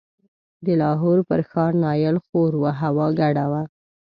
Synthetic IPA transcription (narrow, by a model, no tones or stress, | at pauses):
d̪əlɑɦoɾpəɾxɑɾnɑjəlxoɾwaɦawɑɡaɽawa